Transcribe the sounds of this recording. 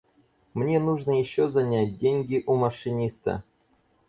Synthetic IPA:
mnʲenuʐnəjɪɕːozanʲat̚ʲdʲenʲɡʲɪʔumɐʂɨnʲist̪ə̰

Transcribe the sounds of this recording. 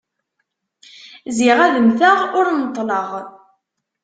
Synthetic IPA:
ziʁæðəmθəʁʊɾnət̪ˤːləʁ

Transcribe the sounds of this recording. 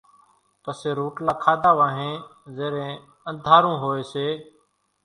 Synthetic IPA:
pəseːɾuːʈlaːkʰaːd̪aːʋaːɦẽːzeːɾẽː | ə̃nd̪ʱaːɾõːɦoːeːseː

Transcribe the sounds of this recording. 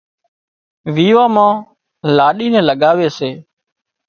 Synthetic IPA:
ʋiːʋãːmãː | laːɗiːnɛ̃ːləɠaːʋeːseː

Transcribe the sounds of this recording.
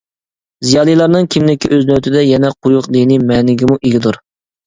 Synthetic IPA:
zijɑːlˠijlˠɑɾnɨŋkʲʰimlɪkʲiʔøznøt̪ʰɪd̪ɛjɛnɛqʰʊjʊqd̪inimɛnɪɡʲɪmuʔeɡʲid̪uɾ

